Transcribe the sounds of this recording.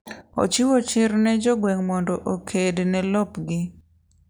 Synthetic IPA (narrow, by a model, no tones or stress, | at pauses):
o̰t͡ʃɪwot͡ʃɪɾnɛd͡ʒoɡwɛŋmɔndɔʔokʰednɛlɔpɡɪ